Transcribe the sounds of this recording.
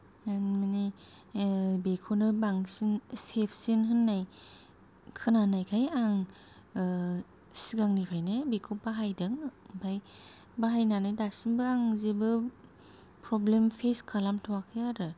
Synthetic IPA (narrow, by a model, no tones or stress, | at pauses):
anmini | bekʰonɯbaŋsinsepʰsinɦɯnːaj | kʰɯnanajkʰajaŋ | siɡaŋnipʰajnɯbekʰobaɦajdɯŋbaj | baɦajnanajdasinbɯaŋzebɯ | pʰɾɔblempʰeskʰalamtʰawakʰɯjaɾɯ